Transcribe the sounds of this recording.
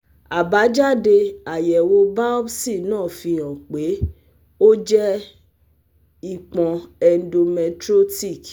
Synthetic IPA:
a˨ba˨˦d͡ʒa˦˨de˧a˨jɛ˨wo˧ba˦ɔ˦bsi˦˨nãː˦˨fĩ˧ã˨k͡pe˨˦ | o˦d͡ʒɛ˦ | i˦˨k͡pã˨ɛ˧n̩˦do˧mɛ˧tɾo˦ti˦˨k

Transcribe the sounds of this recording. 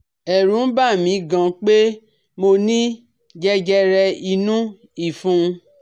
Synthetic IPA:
ɛ˨ɾũ˨˦ba˦˨mĩ˨˧˦ɡã˧k͡pe˦ | mo˧nĩ˦ | d͡ʒɛ˦d͡ʒɛ˦ɾɛ˧i˧nũ˦ | i˦˨fũ˧˦˧

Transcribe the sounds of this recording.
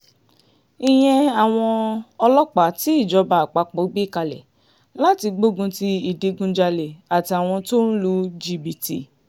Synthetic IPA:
i˦˨j̃ɛ̃˧a˨w̃ɔ̃˧ɔ˧lɔ˦k͡pa˨˦ti˨˦i˦˨d͡ʒɔ˨˧˦ba˨k͡pa˨˦k͡po˨˦ɡ͡bi˦˨ka˧lɛ̰˨ | la˦ti˧ɡ͡bo˦ɡũ˧ti˧i˨de˧ɡũ˧d͡ʒa˧le˨a˨ti˧a˨w̃ɔ̃˧to˦ñ̩˦lu˧d͡ʒi˧bi˨ti˦˨

